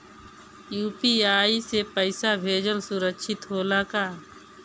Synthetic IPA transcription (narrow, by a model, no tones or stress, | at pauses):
juːpiːaːisepəɪsabʱeːd͡ʒəlsʊɾəkʃʰɪt̪ɦoːlakaː